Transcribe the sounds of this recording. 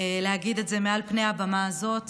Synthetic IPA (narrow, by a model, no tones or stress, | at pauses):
leaɡid̪etze̞mealpneabamazo̞t